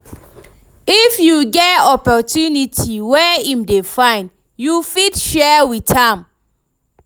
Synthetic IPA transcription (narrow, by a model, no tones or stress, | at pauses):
ifjuɡɛtɔpɔtjunitʰiwɛĩmdefãɪ̃n | jufitʃɛwitãm